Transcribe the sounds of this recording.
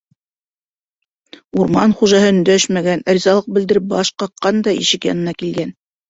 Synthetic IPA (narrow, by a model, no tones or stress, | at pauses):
uɾmɑnχuʒɑhɤɵ̆nd̪æʃmæɡænæɾʲizɑlˠɤq̚bɘ̆d̪ɘ̆ɾɘp̚bɑʃqɑqːɑnd̪ɑḭʃɘkjɑ̰nɤ̆nɑkilɡæn